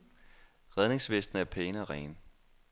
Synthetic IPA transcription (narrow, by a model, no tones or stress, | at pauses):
ʁɛð̞ˠne̝ŋsʋesd̥n̩æɐpʰeːnəɒʁɛ̰ːn